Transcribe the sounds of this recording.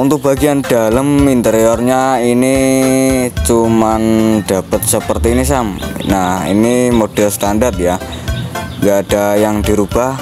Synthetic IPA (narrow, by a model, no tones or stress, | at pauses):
unt̪ʊk̚b̥aɡiandaləmint̪əɾiorɲaini | t͡ʃumand̥apət̪̚səpərt̪iːnis̬amnahḭnimod̥ɛlst̪andart̪̚ja | ŋɡaːd̥ajaŋdiɾub̥ah